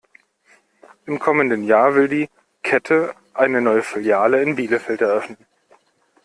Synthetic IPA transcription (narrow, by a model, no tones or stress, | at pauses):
ʔɪmkʰɔməndənjaːɐvɪldiː | kʰɛtʰə | ʔaɪnənɔʏəfɪljaːləɪnbiːləfɛltɛɐʔœfnən